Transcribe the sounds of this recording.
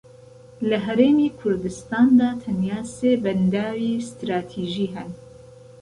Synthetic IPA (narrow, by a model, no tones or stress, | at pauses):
lɨɦɛɾeːmiːkʰʊɾd̪ɨst̪ɑːnd̪ɑːt̪ʰɐnjaːseːbɛnd̪aːwiːst̪ɾaːt̪ʰiːʒiːɦɛn